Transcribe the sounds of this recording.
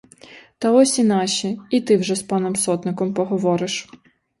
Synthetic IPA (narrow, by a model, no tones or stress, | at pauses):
t̪ɐɔsʲinɑʃʲiit̪ɪwʒɛspɑnɔmsɔt̪nɪkɔmpɔɦɔʋɔɾɪʃ